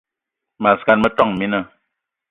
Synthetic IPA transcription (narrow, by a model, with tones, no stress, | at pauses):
ma˨ska˨nmə˦tɔ˦˨ŋ˨mi˦nə˦˨